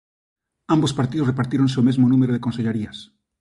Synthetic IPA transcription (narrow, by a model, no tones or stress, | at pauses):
ambospaɾt̪iðorepaɾt̪iɾõnseomezmonũmeɾoðekonseʎeɾias